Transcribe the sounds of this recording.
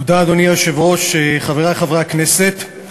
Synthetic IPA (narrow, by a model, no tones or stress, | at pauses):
d̪aːd̪o̞nijaʃevʁo̞ʃeχaveʁaχavʁakneset̪